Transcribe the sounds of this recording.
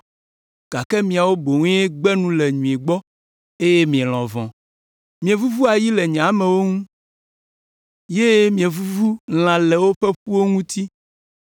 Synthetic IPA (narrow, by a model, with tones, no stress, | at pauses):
ɡ̥a˨kɛ˦mĩ˨a˨wo˦bo˨ŋẽ˦e˦ɡ͡bɛ˦nũ˦le˨ɲũ˨e˨ɡ͡bɔ˦ | e˦je˦mĩ˨ẽ˨l̃ɔ̰̃˨vɔ̃˨ | mĩ˨ẽ˨vu˦vu˦a˨ji˦lɛ˨ɲɛ̃˨a˨˦mẽ˨wo˦ŋũ˦ | je˦mĩ˨ẽ˨vu˦vu˦l̃ã˨lɛ˨wo˦ɸe˦ɸu˦wo˦ŋũ˦t̪i˦